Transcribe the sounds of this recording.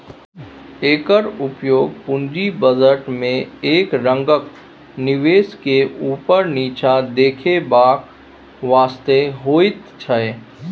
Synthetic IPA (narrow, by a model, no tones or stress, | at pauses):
eːkəɾʊpjoːɡ̚pʊ̃nd͡ʒibəd͡ʒəʈmẽeːkɾə̃ŋɡək | nɪʋeːskeʔuːpəɾniːt͡ʃad̪eːkʰebaːk | ʋaːst̪eɦoːit̪t͡ʃʰəe